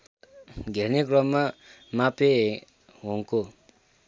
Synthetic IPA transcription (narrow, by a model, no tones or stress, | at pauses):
ɡenikrɔmːamape | ɦoŋko